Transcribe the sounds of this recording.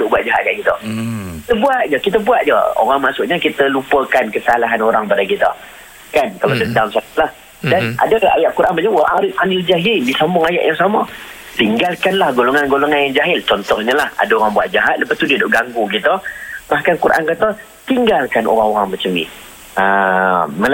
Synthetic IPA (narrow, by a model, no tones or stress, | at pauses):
dʊʔbuat̪̚d͡ʒaɦa̰ʔ̪̚kaʔkit̪əkit̪əbuat̪̚d͡ʒəkit̪̬əbuat̪̚d͡ʒə̰o̰ɾaŋmasʊʔɲəkit̪əlupəkankəsalaɦanoɾaŋpadakit̪ə̰ | kankalawdədamsalah | dana̰dəa̰jaʔkuɾʔanmbad͡ʒəa̰ŋaɾifanɪld͡ʒaɦɪldisamʊŋaja̰ʔjaŋsama | t̪iŋɡalkanlahɡolɔŋanɡolɔŋanjaŋd͡ʒaɦɪlt͡ʃɔnt̪ɔhɲəlaha̰daoɾaŋbuat̪̚d͡ʒaɦat̪̚ləpast̪udiədoʔɡaŋɡukit̪əmahkankuɾʔa̰nkat̪ə | t̪iŋɡalkanʔo̰ɾaŋoɾaŋmət͡ʃəmḭ | əməl